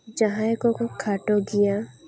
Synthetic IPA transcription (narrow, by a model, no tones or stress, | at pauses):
d͡ʒɐɦãekokokʰaːʈoɡija